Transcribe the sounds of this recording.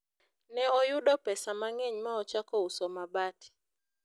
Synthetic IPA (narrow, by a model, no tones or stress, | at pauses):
nɛɔjʊɗɔpɛsamaŋeɲmaɔt͡ʃakɔusɔmabati̥